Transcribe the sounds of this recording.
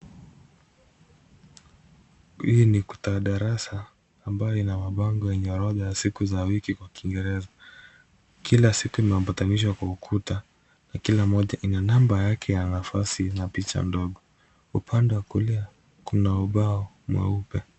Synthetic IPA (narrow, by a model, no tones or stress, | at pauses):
hiniku̥taɗaɾasaː | mbajɔinamaɓaŋɡɔjɛɲɛɾɔðajasikuzawikikwakiŋɡɛɾɛza | kʰilasikuimɛɔmpataniʃ̬wakwaukʰuta | nakilamɔʄaʔinanambajakʰɛjanafasinapit͡ʃa̰ndɔɠɔ | upʰandɛwakulia | kunauɓaɔ | mwɛ̰upɛ